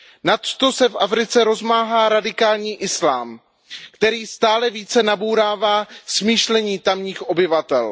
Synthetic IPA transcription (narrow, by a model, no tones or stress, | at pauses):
nat̪t̪osɛfʔafɾɪt͡sɛɾo̞zmaːɦaːɾadɪkaːlɲiːʔɪslaːm | kt̪ɛɾiːst̪aːlɛviːt͡sɛnabuːɾaːvaːsmiːʃlɛɲiːt̪amɲiːxʔo̞bɪvat̪ɛl